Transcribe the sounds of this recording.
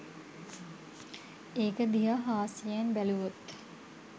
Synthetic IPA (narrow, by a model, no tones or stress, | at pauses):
eːkəd̪iɦaɦaːsianbæluʋot̪